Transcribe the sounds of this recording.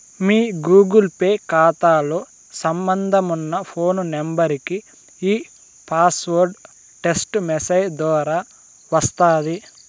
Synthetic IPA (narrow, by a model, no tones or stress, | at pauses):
miːɡuːɡulpeːkaːt̪aːloː | sɐmbɐnd̪ʱɐmunːɐpʰo̞ːnunembɐɾiki | iː | pʰaːsʋoɾɖ | ʈe̞sʈmesɐjd̪ʋɔːɾaː | ʋɐst̪aːd̪i